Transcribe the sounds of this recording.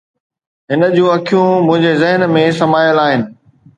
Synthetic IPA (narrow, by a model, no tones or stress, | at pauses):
ɦɪnə̆d͡ʑũːɐkʰijũmʊ̃ɦɪ̃ɲd͡ʑezɐɦənmẽsɐmaːjəlaːɦɪnɪ̆